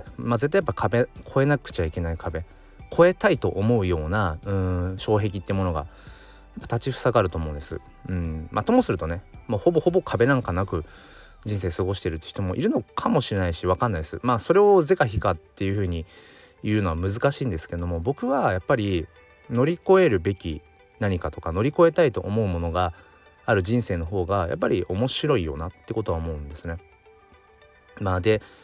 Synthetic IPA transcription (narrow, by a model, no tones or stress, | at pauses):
maze̞t̪ːaijapːakʰabe̞kʰo̞e̞nakɯ̟̥t͡ɕaike̞naikʰabe̞ | kʰo̞e̞t̪ait̪o̞ʔomo̞ɯ̟jo̞ːnaɯ̟̃ɕo̞ːɦe̞k̬ʲit̪ːeɯmo̞no̞ɡa̰ | japːḁt̪at͡ɕiɸɯ̟̥saɡaɾɯ̟t̪o̞ːmõ̞ːnd̪esɨ̰ | ɯ̟̃ɴmʔa̰t̪o̞mo̞sɨɾɯ̟t̪o̞ne̞moho̞bo̞ho̞bo̞kʰabe̞ɾãŋkanakɯ̟ | d͡ʑĩɰ̃s̬eːsɨɡo̞ɕi̥t̪e̞ɾɯ̟t̪ːe̥ç̥i̥t̪omo̞ʔḭɾɯ̟no̞kʰamo̞ɕiɾe̞naiɕiβ̞akãnːaid̪esɨ̰maːso̞ɾe̞o̞ze̞kaçikat̪ːe̞jɯ̟ɸɯ̟ːɲ̟i | jɯ̟ːno̞βamɯ̟zɨkaɕĩːnd̪e̞sɨ̥ke̞ɾe̞d̪o̞mo̞bo̞kɯ̟βajapːaɾʲi | no̞ɾʲiko̞e̞ɾɯ̟be̞kʲi | naɲ̟ikat̪o̞̥kano̞ɾʲiko̞e̞t̪ait̪o̞̰ʔomo̞ɯ̟mo̞no̞ɡaː | ɾɯ̟ʑĩɰ̃se̞ːno̞ɦo̞ːɡajʔa̰pːaɾʲiʔo̞mo̞ɕiɾo̞ijo̞̰ːnat̪ːeko̞t̪o̞βaomo̞ɯ̟̃nd̪e̞sɨne̞ | mad̪e̞